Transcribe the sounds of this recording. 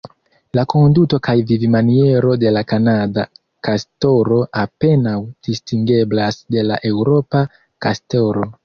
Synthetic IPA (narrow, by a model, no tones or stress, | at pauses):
lako̞nduto̞kajvivimanie̞ɾo̞de̞lakanada | kasto̞ɾo̞ʔape̞nawd̥istiŋɡe̞blasde̞laʔe̞wɾo̞pa | kasto̞ɾo̞